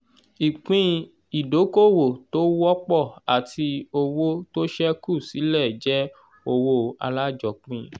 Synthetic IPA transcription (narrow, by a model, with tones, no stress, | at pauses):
i˨k͡pĩ˦ | i˨do˨˦ko˦˨wo˨to˦wɔ˦k͡pɔ˦˨a˨tʰi˧o˧wo˦to˦ʃɛ˦ku˦˨si˨˦lɛ˦˨d͡ʒɛ˦ | o˧wo˦a̰˧la˦d͡ʒɔ˨k͡pĩ˧